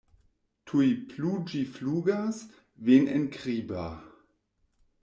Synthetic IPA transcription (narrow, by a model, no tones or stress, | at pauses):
tʰujpʰluːd͡ʒifluːɡas | veːnɛnkʁiːba